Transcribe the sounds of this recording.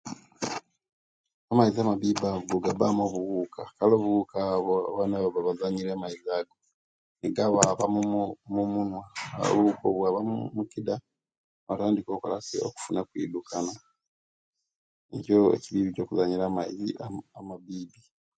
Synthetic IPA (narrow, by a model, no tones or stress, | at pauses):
amaiziamaβiːbaβɡoɡabamoβuɣuːkʰakalo̞ːβuɣukaβoaβanaβaβaβazaɲilemaizaːɡo | niɡaβaβamumumunwao̰βuuko̰βwaβamumukida | βataːndiko̞ːkalasḛo̰ku̥funakwḭːdukʰana | ecoḛciβiːβico̞ːkuzaɲilamaiziaamaβiːbi